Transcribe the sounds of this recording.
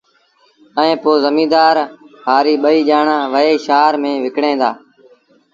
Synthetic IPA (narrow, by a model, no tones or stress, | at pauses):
əẽːpoːzəmĩːd̪aːɾɦaːɾiːɓəiːʄaːɳãːʋəeːʃaːɾmẽːʋɪkɽẽːd̪a̰ː